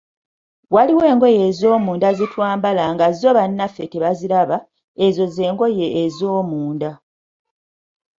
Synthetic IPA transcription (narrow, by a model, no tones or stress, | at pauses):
waliwe̞ːŋɡo̞je̞ːzo̞ːmuːndazitwaːmbalaŋɡazo̞βanːafːe̞teβazilaβa | ezo̞zeːŋɡo̞jeʔːzoːmuːnda